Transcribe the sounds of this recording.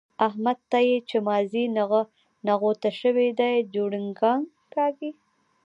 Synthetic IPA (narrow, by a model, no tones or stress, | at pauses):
aɦmad̪̚t̪ːajet͡ʃemɑzinaɣ | naɣot̪aʃəwed̪ajd͡ʒoɽɪŋɡɑŋ | kɑɡi